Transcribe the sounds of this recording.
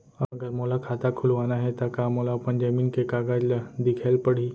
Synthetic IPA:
ɐɡəɾmoːlakʰaːt̪akʰʊlʋaːnaɦɛt̪akaːmoːlapɐ̃ɲd͡ʒaminkekaːɡaːd͡ʒld̪ɪkʰɛlpɐɽ̤iː

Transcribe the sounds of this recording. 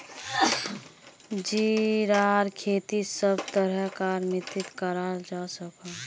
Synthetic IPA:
d͡ʒiɾaːɾkʰeːt̪isəbt̪əɾəɦkaɾmɪt̪ɪt̪kəɾad͡ʒasəka

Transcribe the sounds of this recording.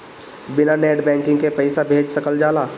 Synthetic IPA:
bɪnaneːʈbɛ̃ːŋkɪ̃ŋɡkepəɪsabʱeːd͡ʒsɐkəld͡ʒaːlaː

